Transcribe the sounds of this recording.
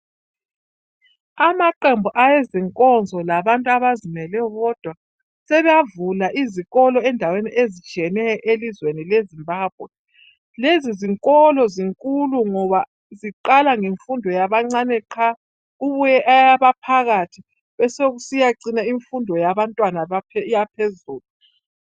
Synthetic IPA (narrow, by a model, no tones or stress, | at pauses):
amaǃembʱuʔajeziŋkʼɔnd͡zʱɔlaβantʼuaβazimɛlɛjɔβɔd̥ʱwa | sɛβɛjavulaʔiziɣɔlɔɛndʱaweniʔezit͡ʃʼiɛnɛjɔʔelizwenilezimbʱaːb̥̚ʱwɛ | leziziŋkʼɔlɔziŋkʼuluŋɔβa | ziǃalaŋeɱfundʱɔjaβaŋ͡ǀanɛǃʰa | uβujɛʔajaβapʰaɣatʰi | βɛsoɣusijaǀinaiɱfundʱɔjaβantʼwanaajapʰezuːlu